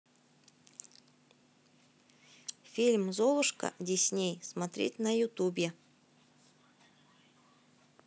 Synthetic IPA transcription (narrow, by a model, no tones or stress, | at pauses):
fʲilʲmzovˠʊʂkə̰dʲɪsʲnʲejsmɐt̪ɾʲḛtʲnəjʊt̪ubʲɪ